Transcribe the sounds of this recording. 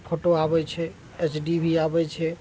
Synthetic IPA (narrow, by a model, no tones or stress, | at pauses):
pʰoʈoabɛt͡ʃʰɛ | et͡ʃɖibʱiabɛt͡ʃʰɛ